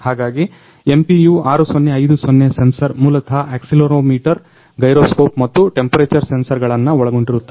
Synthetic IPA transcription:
haːɡaːɡi | e̞mpijuːaːɾusonːeɐjd̪usonːesensɐɾmuːlɐt̪ʰɐeːksiloːɾoːmiːʈɐɾ | ɡɐjɾoːsko̞ːpmɐt̪ːuʈe̞mpɐɾeːt͡ʃɐɾsensɐɾɡɐɭɐnːɐɔɭɐɡoɳɖiɾut̪ːɐ

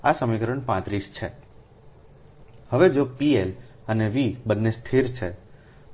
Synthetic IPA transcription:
asəmikəɾəɳpãt̪ɾist͡ʃʰḛ | həʋed͡ʒopieləneʋibənːest̪ʰiɾt͡ʃʰe

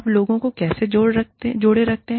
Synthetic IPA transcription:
ploːɡõkokɛːsed͡ʒoːɽɐd͡ʒoːɽeɾɐk̚t̪eɦ

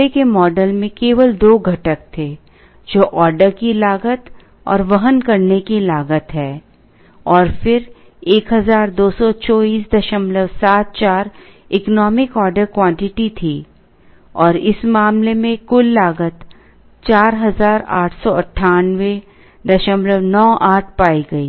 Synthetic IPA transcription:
ekemɔːɖəlmẽkeːʋəld̪oːɡʱɐʈək̚t̪ʰe | d͡ʒoːʔɔːɾɖəɾkilaːɡət̪ | ɔ̰ːɾʋɐɦənkɐɾnekilaːɡət̪ɦɛː | ɔːɾfɪɾ | eːkɦɐzaːɾd̪oːsɔt͡ʃɔːiːsd̪ɐʃəmləʋsaːt̪̚t͡ʃaːɾ | ɪknɔːmɪkɔːɾɖəɾkwãːɳʈɪʈit̪ʰiː | ɔːɾɪsmaːmlemẽkʊlːaːɡət̪ | t͡ʃaːɾɦɐzaːɾa̰ːʈʰsɔɐʈʰːaːnʋe | d̪ɐʃəmləʋnɔːʔaːʈ̚ʰpaːiɡɐiː

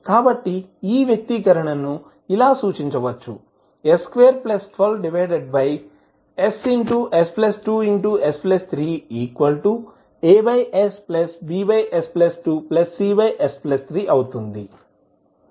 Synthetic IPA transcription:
kaːbɐʈːiiːʋjɐk̚t̪ikɐɾɐɳɐnu | ilaːsuːt͡ʃiɲt͡ʃɐʋɐt͡ʃːṵ | eskʋeːɐɾplɐsʰɐlɖiʋɐjɖeɖ̚bɐj | esiɳʈuʔesplɐsʈuːiɳʈuesplɐst̪ʰɾiːiːkʋɐlʈu | eːbɐjʔesplɐsbiːbɐjʔesplɐsʈuplɐsːiːʋɐjʔesplɐst̪ʰɾiːʔɐwut̪und̪ḭ

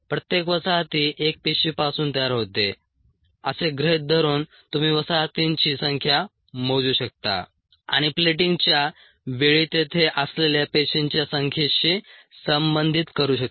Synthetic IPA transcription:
pɾət̪jekʋəsaɦt̪iːʔek̚peɕipasuːnt̪əjaɾɦot̪e | əseɡɾeɦt̪̚d̪ʱəɾuːn | t̪um̤iːʋəsaɦt̪iɲt͡ɕiːsəŋkʰja | m̤od͡zuːɕək̚t̪a̰ | a̰ɽ̃ipleʈ̬iŋɡt͡ɕja | ʋeɭit̪et̪ʰeʔəsleljapeɕiɲt͡ɕjasəŋkʰeɕiː | səmbənd̪ʱit̪kəɾuːɕək̚

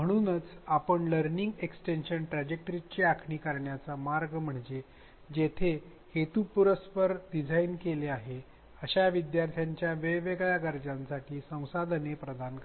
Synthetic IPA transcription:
m̤əɽ̃uːnət͡sapəɳləɾniŋɡeksʈenɕənʈɾad͡ʑek̚ʈəɾit͡ɕeakʰɳiːkəɾɳjat͡samaɾɡm̤əɳd͡ʑe | d͡ʑet̪ʰe | het̪upuɾəspəɾɖid͡zʱainkeleaɦe | əɕaʋid̪jaɾt̪ʰjaɲt͡ɕjaʋeʋeɡɭaɡəɾd͡ʑãnsaʈiːsə̃w̃sad̪ʱnepɾəd̪ank

